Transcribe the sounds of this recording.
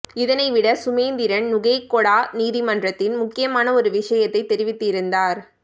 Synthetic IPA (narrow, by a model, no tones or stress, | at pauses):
ɪðɐnɐɪʋɪɽɐsʊmeːnd̪ɪɾɐnnʊɣɐɪkːɔɽaːniːðimɐndrɐt̪ːɪnmʊkːɪjɐmaːnɐɔɾɯʋɪʂɐjɐt̪ːɐɪt̪ːɛɾɪʋɪt̪ːɯɪɾɯnd̪aːɾ